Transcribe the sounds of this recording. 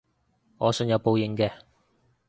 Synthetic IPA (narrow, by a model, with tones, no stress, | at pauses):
ŋɔː˨˧sɵ˧njɐ˨˧wpo˨˧wjɪ˨˥ŋkɛː˧